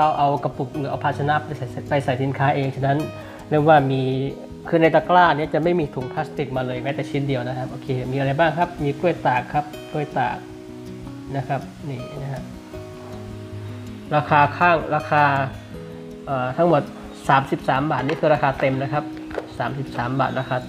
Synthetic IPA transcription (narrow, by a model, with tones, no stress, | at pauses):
a˧wʔa˧wka˧pu˨˩k̚lɯː˩˦˥ʔa˧wpʰa˧˩sʰa˧na˦˥pːa˧jsa˨˩˦pa˧jsa˨˩jsi˨˩˦nkʰaː˦˥ʔeː˧ŋt͡ɕʰa˧˩na˦˥n | ɾɯ˥˩əŋwaː˥˩miː˧ | kʰɯː˧na˧jt̪a˧klaː˥˩ni˦˥˩ɐt͡ɕa˨˩ma˥˩jmiː˧t̪ʰu˨˩˦ŋpʰla˦˥st̪i˨˩k̚maː˧lɤː˧jma˦˥t̪ɛː˨˩t͡ɕʰi˧˥ndi˧əwna˦˥kʰa˦˥p̚ʔoː˧kʰeː˧miː˧a˧ɾa˧jbaː˥˩ŋkʰa˦˥p̚miː˧ku˥˩əjt̪aː˨˩kʰːa˦˥p̚ku˥˩əjt̪a̰ː˨˩k̚ | na˦˥kʰa˦˥p̚niː˧˩˧ni˥ɦa˦˥ | ɾaː˧kʰaː˧kʰaː˥˩ŋɾaː˧kʰaː˧ | ʔəː˨˩t̪ʰa˦˥ŋmo˨˩t̪̚ | saː˩˦msi˨˩p̚saː˩˦mbaː˨˩t̪̚ni˦˥˩kʰɯː˧ɾaː˧kʰaː˧t̪e˧mna˦˥kʰa˦˥p̚ | saː˩˦msi˨˩p̚saː˩˦mba̰ː˨˩t̪̚ɾaː˧kʰaː˧